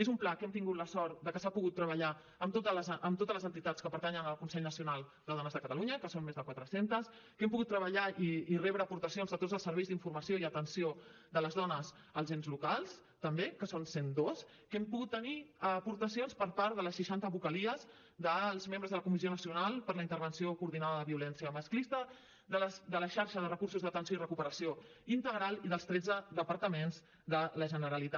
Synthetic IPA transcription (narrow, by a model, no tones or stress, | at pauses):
ezumplakɛmt̪iŋɡut̪ləsɔɾt̪d̪əkəsapuɣut̪ːɾəβəʎa | əmt̪ot̪ələzʔəmt̪ot̪əzləzənt̪it̪at͡skəpəɾt̪aɲənəlˠkunsɛʎnəsiunalˠd̪əðɔnəzðəkət̪əluɲəkəsonmezðəkwat̪ɾəsent̪əs | kɛmpuɣut̪ːɾəβəʎaiːrɛβɾəːpuɾt̪əsionzðət̪od͡zzəlˠsəɾβɛjzðiɱfuɾməsioiət̪ənsio | d̪ələzðɔnəz | əlˠzenzlukalˠs | t̪əmbekəsonsend̪os | kɛmpuɣut̪ːəniəpuɾt̪əsionspəɾpaɾðələsʃiʃant̪əβukəliəz | d̪əlˠzmẽmbɾəzðələkumisionəsiunalˠpəɾləint̪əɾβənsiokuɾðinaðəðəβiulɛnsiəməsklist̪ə | ðəsd̪ələʃaɾʃəðərəkuɾsuzðət̪ənsioirəkupəɾəsio | int̪əɣɾalˠiðəlˠst̪ɾɛd͡zəðəpəɾt̪əmenz | d̪ələʒənəɾəlit̪a